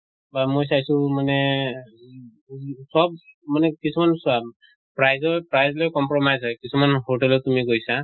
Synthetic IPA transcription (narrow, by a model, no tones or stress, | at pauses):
bamojs̬ajsũmanɛ | sɔbmanɛkisʰumansa | pɾajzɔpɾajzlɔjkɔmpɾɔmajzɦɔjkisʰumanɦoʈɛlɔt̪umiɡojsa